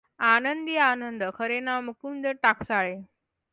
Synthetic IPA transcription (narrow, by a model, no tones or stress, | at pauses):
anənd̪ianənd̪əkʰəɾenamukund̪eʈakʰsaɭe